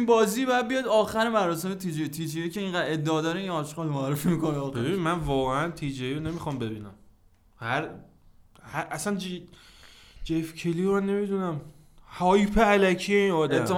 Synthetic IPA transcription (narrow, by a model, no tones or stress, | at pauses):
inbɒːziːbɒjæd̪̚bijɒd̪ɒːxæɾemæɾɒːse̞met̪ʰid͡ʒet̪ʰiːd͡ʒejece̞iːŋɢæd̪e̞d̪ːeɒːd̪ɒɾeinɒːʃɡɒːlmoæɾːefimiːkonebebinimænvɒːɣeænt̪ʰid͡ʒeiɾone̞mixɒmbe̞biːnæ̰m | hæɾ | hæʔæsænd͡ʒ | d͡ʒefcʰeliɾane̞mid̪unæm | hɒːjpʰeælæcʰije̞inɒd̪æt̪ʰːe